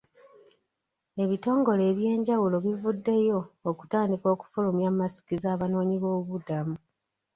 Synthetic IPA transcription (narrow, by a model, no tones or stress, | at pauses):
e̞βito̞ːŋɡo̞le̞ːβje̞ːɲɟawulo̞βivudːe̞jo̞ːku̥taːndiko̞ːku̥fulumjamasi̥kizaːβano̞ːɲiβo̞ːβudamu